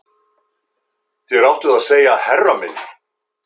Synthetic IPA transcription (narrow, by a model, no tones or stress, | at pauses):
θɛɾawht̪ʏðaðseːjaðhɛrːamɪn